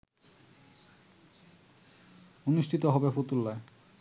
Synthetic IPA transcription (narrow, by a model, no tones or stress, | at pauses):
oniʃʈʰit̪oɦɔbefot̪ulːae